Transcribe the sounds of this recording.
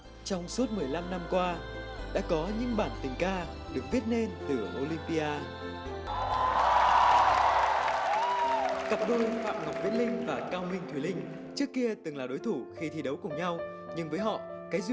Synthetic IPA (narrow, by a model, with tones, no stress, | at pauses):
t͡ɕɔ˧wŋ͡msu˦˥ət̚mɨ˨˩əjla˧mna˧mkwaː˧ | ɗa̰ː˧˥kɔ˨˦ɲɨ̰˧˥ŋɓaː˧˩nt̪ï˨˩ŋ̟kaː˧ | ɗɨ˨˩ək̚vi˦˥ət̚ne˧nt̪ɨ˨˩ʔo˧li˧mpi˧ʔaː˧ | ka˨˩p̚ɗo˧jfa̰ː˧˨mŋa˨˩w̚k͡p̚vḭ˧˥nlï˧ŋ̟vaː˨˩kaː˧wmï˧ŋ̟t̪ʰwi˧˩lï˧ŋ̟ | t͡ɕɨ˦˥əkːi˧ət̪ɨ˨˩ŋlaː˨˩ɗo˨˦jt̪ʰu˧˩xi˧t̪ʰi˧˩ɗə˨˦wkʊ˨˩ŋ͡mɲa˧w | ɲɨ˧ŋvəː˨˦jɦɔ̰˧˨kaː˨˦jz